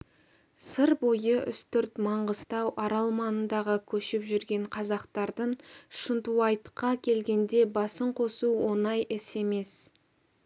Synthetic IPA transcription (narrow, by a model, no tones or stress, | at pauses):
səɾbo̞jəʔʏ̰st̪ʏɾt̪mɑɴʁəst̪ɑwʔɑɾɑlˠmɑnənd̪ɑʁəkʲʰɵʃɪpʒʏɾɡʲe̞ɴqʰɑzɑqt̪ɑɾd̪əɴʃənt̪uɑjt̪qɑkʲʰe̞lɡʲe̞nd̪e̞bɑsəɴqʰo̞suwo̞nɑjʔɪse̞me̞s